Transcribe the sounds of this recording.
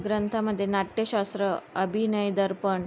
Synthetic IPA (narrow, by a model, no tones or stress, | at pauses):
ɡɾənt̪ʰaməd̪ʱːjenaʈːjəɕast̪ɾəəbʱinəjd̪əɾpəɳ